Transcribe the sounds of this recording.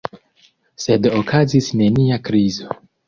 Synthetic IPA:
se̞dokʰazisne̞niakɾizo̞

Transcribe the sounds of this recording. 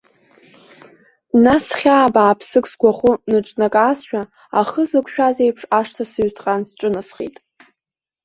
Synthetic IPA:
nasχʲaːbaːpʰsɨkʼsɡʷaχunɨʈ͡ʂʼnakʼaːsʃᶣa | aχəzɨkʷʰʼʃᶣazejpʰʂaʂtʰasɨɥtʰqʼansʈ͡ʂʼɨnasχḛjtʼ

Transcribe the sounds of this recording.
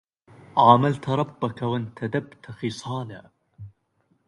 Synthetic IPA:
ʔaːmalt̪ɾˤɑbːakawant̪ʰad̪abt̪xɪsˤɑːla

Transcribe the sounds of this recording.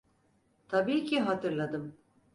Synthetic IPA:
t̪ʰabiːcʰiɦat̪ʰɯɾlˠad̪ɯm

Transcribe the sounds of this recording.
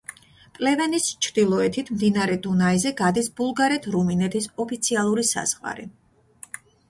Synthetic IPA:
pʼlɛvɛnist͡ʃʰɾd̪̥ilˠɔɛt̪ʰit̪ʰmd̪inaɾɛd̪unaizɛɡad̪isbulˠɡaɾɛt̪ʰɾuminɛt̪ʰisɔpʰit̪sʰialˠuɾisa̰z̥ʁa̰ɾḭ

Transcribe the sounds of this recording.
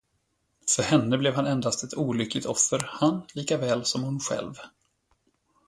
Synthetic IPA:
fœɾhɛnːəblɛvhanɛnd̪ast̪ɛt̪ʰuːlʏkʰlɪɡt̪ɔfəɾhanliːkavɛːlsɔmhʊnɧɛ̰lv

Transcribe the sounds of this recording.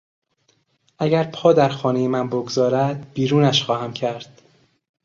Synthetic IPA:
ʔæɟæɾpʰɒːd̪æɾxɒːnejemænboɡzɒːɾæd̪̥̚b̥iːɾuːnæʃxɒːhæmcʰæɾd̪̥

